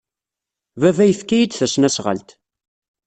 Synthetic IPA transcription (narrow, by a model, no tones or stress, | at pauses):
vævæjəθkːæjid̪θæsnæsʁə̰lt̪